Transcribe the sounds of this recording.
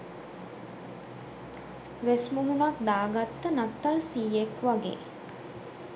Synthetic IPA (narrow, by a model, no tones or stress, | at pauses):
ʋesmuɦunak̚d̪aːɡat̪ːənat̪ːalsiːjekʋaɡḛː